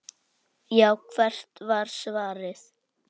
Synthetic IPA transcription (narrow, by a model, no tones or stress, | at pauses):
jaːwkʰvɛr̥t̪vaɾ̥svaːɾɪθ